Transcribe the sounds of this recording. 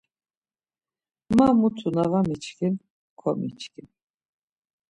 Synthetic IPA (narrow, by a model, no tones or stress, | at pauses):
mamut̪ʰunavamit͡ʃkʰin | kʰɔmḭt͡ʃʰkʰin